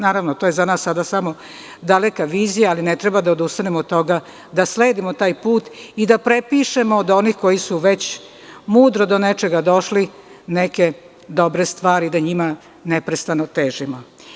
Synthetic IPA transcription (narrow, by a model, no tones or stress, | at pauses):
naːɾaʋnot̪ojezanaːsːad̪asamo̞ | d̪alekaʋiːzijaːlinet̪ɾebad̪aod̪ust̪anemot̪ːo̞ɡa | d̪asle̞ːd̪imot̪aːjpuːt̪id̪apɾepiʃe̞moːd̪o̞niːxko̞jisuʋet͡ɕ | muːd̪ɾo̞d̪onet͡ʃe̞ɡad̪o̞ʃlineke̞ | d̪o̞bɾest̪ʋaːɾid̪aɲima | nepɾest̪anot̪eːʒimo